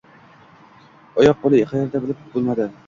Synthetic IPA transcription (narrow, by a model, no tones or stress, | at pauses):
ɒjɒq̚bolˠɪɪqajaɾd̪abɪlɪp̚bolˠmad̪ɪ